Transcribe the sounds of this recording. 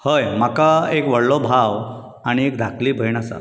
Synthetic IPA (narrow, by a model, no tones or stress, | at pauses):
həjm̤akaekʋəɽlɔbʱaw | aɽ̃iekd̪ʱakʰliːbʱəjɳ̃asa̰